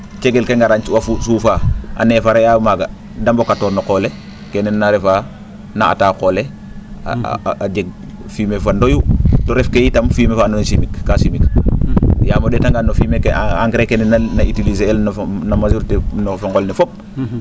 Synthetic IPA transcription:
t͡ʃeɡelkeŋɡaɾaɲt͡ʃwafusuːfaʔa̰neːfaɾejamaɡa | dambokatoːɾnokole | kenenːaɾefa | naa̰takolḛ | aɟeɡ̚ | fimefandojutoɾefkejitamfiːmefanonsimikːasimik | jamodetaŋɡanːofimekeaŋɡɾekenenanaitilizeelnnamazuɾtenofoŋɡolnefop̚

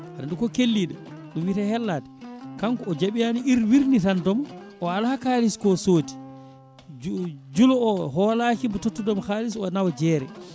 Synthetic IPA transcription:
ʔanadukɔkelːiɗaɗumwitahɛlːaːtɛ̥kaŋkɔːd͡ʒaɓijaniiɾwiɾnitandɔmʔɔalahakaliskɔsoːti̥ | d͡ʒulɔɔɦɔlaːkimbɔtotːudɔmkaːlisɔnawd͡ʒɛːɾɛ̰

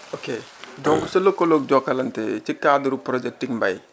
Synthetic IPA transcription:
okedɔŋɡuselokːolok̚d͡ʒɔkalant̪et͡ʃikːad̪ɾupɾɔd͡ʒek̚ʈːiŋba̰j

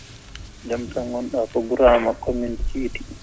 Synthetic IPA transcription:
d͡ʒamtaŋwɔnɗapɔɡuɾaːmakomuntiti̥

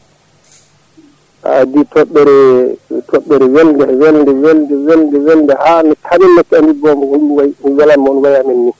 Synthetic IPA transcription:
ʔa̰ditɔɓːɛɾɛtʰɔɓːɛɾɛwɛldɛwɛldɛwɛldɛwɛldɛwɛldɛhanɛkʰaminːɛkːamdibɔmɡɔduwajwɛlamɔnwajaminːi

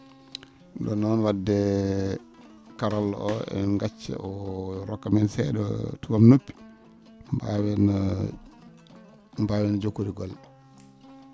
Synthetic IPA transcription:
ɗdɔnɔnwadːɛ | kaɾalːɔ̰ʔɔɛ̰ŋɡat͡ʃːɛ̰ʔɔɾɔkːamɛnsɛɗɔ̰tuwamnopːi̥ | mbawɛn | mbawɛnd͡ʒokːuɾiɡɔl

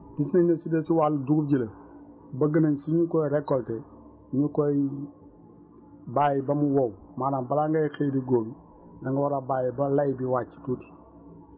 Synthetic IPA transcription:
bis̬nanesidesiwalduɡub̚ɟilə | bɐɡɐnansiɲukoiɾekːolte | ɲukoi | bajibamuwow | maːnambalaŋɡaixediɡoːmi | naŋɡawaɾabaːjibalajbiwat͡ʃi̥tuti̥

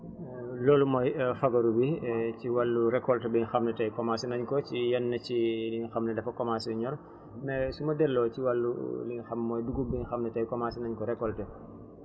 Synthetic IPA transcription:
lɔːlumɔjfɐɡɐɾubiciwalːuɾɛkːɔltɛbiɲxɐmnɛtɐjkɔmasinɐɲkɔt͡ʃijɐnːɐciliɲxɐmnɛdɐfɐkɔmasuɲɔɾ | mɛsumɐdɛlːɔːciwɐlːuliɲxɐmːɔːjduɡubiɲxɐmnɛtɐjkɔmasinɐɲkɔɾɛkːɔltɛ

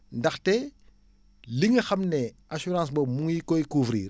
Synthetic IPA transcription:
ndɐxtɛ | liŋɐxɐmne | asuɾãːs̬bomuŋjikojikuːvɾḭːr

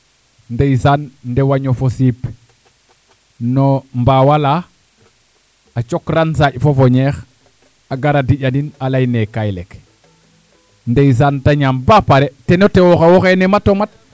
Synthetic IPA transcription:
ndejsanndewaɲofosip | nombawala | at͡ʃokɾans̬aɟfofoɲex | aɡaɾadiɟaninalajnekajlek | ndejis̬antaɲambapaɾetenotewoxawoxenematomat̚

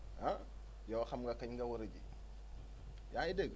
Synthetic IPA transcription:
a | jawxɐmɡakɐɲɡawoɾɐɟḭ | jaideɡ

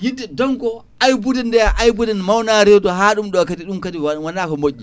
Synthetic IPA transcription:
jidɛdɔŋkɔ | ʔajbudɛndɛʔajbudɛnmawnaɾɛtɔɦaːɗumɗɔkatiɗumkatiawanakɔmoʔʲːi

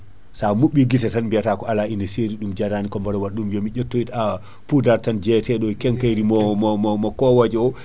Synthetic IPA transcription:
samuɓiɡitɛtanbiatakɔalainɛseɾiɗumd͡ʒaɾanikɔmbaɾɔwaɗːumjɔmid͡ʒetːoita | pudaɾtand͡ʒɛtɛɗɔkɛŋkajɾimɔmɔmɔmɔkɔwad͡ʒɛɔ

